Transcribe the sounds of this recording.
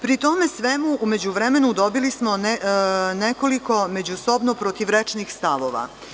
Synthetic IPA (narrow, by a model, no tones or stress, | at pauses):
pɾit̪o̞me̞sʋemuʔume̞d͡ʑuʋɾe̞me̞nud̪o̞bilismo | ne̞ko̞liko̞me̞d͡ʑuso̞bnopɾot̪iʋɾet͡ʂnixst̪aʋo̞ʋa̰